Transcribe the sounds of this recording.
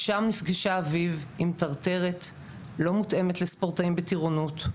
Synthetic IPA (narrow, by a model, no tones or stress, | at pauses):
ʃamnifɡiʃaːvivimtaʁt̪e̞ʁet | lo̞mute̞metlespo̞ʁtaimbetiʁonut̪